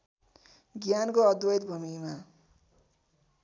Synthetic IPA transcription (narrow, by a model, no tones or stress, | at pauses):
ɡjankoʌd̪wʌjd̪bʱumima